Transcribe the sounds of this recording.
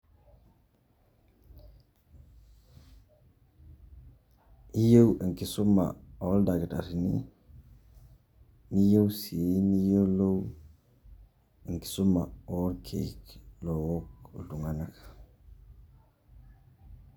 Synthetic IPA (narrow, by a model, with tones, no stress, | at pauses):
i˦je˦wi˨ŋki˨su˦ma̰˨o˦ldaɡi˨ta̰˨ɾi˨nḭ | ni˦je˦wsi˨ni˦je˦lo˦w | i˨ŋki̥˨su˦ma̰˨o˦lkʰe˨klo˨wokdu˨ŋa˨nakḁ